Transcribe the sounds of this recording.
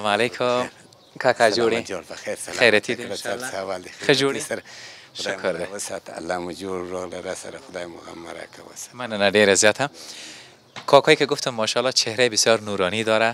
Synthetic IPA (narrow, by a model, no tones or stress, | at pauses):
malekʰʊ | kakad͡ʒoɽiɽpaxeɾsaxajɾat̪ʰid̪alawald̪exxəd͡ʒoɾisaɾaʃʊkʰɾd̪ewsɑt̪a̰lːamud͡ʒoɽːoɣlaɾasa̰ɾaxʊd̪ɑjmʊɣa̰mːaɾa̰kʰa̰wə̰smananaɖeɾazjɔt̪ʰa | kʰɑkʰɔjkeɡʊft̪ʊmːɔʃɑlɔt͡ʃʰehɾajbɪsjɔɾnuɾɔnid̪ɔɾa